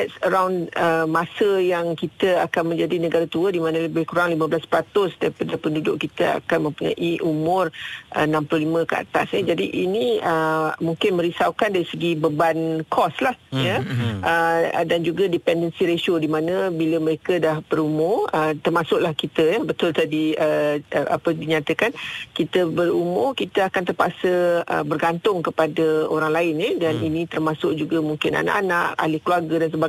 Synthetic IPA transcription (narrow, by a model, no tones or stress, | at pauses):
dɛtsəɾawnəmasəjaŋkit̪əakanmə̃ɲd͡ʒadinəɡaɾat̪uədimanəlbɪkuɾaŋliməblaspəɾat̪ʊsdaɾipadəpəndudʊʔkit̪əa̰kanmə̃mpuɲa̰ʔiʔumʊrʔə̰nãmplohlimə̃kəa̰t̪asid͡ʒadiʔinĩəmũŋkɪnmə̃ɾisawkandaɾisəɡibəbankʰɔslahjəʔədand͡ʒuɡadipɛndənsiɾesodimãnə̃biləməɾekədahbəɾumʊrət̪ərmasʊʔ̚lahkit̪əjəbət̪ʊlt̪adiəʔa̰pədiɲat̪əkankit̪əbəɾumʊrkit̪əakant̪ərpaʔsəə̰bərɡant̪ʊŋkəpadəoɾaŋlaɪnidaninĩt̪ərmasʊk̚d͡ʒuɡamuŋkɪna̰na̰ʔanãʔa̰lɪhkəluarɡədansəba